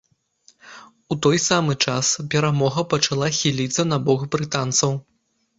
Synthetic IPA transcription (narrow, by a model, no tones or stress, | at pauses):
ut̪ɔjsamɨt͡ʂaspʲɛɾamɔɣɐpɐt͡ʂalˠaxʲilʲit̪sːɐnabɔxbɾɨt̪ant̪sɐw